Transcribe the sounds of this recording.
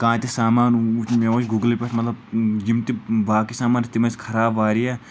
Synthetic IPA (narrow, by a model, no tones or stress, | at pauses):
kãːt̪isaːmaːnumeot͡ʃɡuɡlipʲɐʈʰmɐt̪lɐbd͡ʒimt̪ibaːkisaːmaːnt̪imɐskʰɐɾaːbʋaːɾija